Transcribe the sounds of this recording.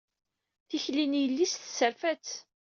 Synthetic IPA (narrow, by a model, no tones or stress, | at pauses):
θiçlinjəlːist̪səɾfæt͡s